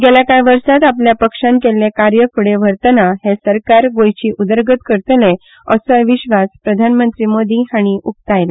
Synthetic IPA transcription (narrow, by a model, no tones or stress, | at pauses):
ɡeljakajʋəɾsat̪apljapəkʂãmkelːekaɾjəkʰuɽeʋəɾt̪ənaɦesəɾkaɾɡojt͡ɕiːʔud̪əɾɡət̪kəɾt̪əle | əsəjʋiɕʋaspɾəd̪ʱanmənt̪ɾiːmod̪iːhaɽ̃iʔuk̚t̪ajle